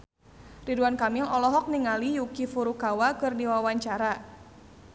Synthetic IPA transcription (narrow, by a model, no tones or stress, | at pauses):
riduankamilɔlɔɦɔk̚niŋalijukifuɾukawakɨrdiwawaɲt͡ʃaɾa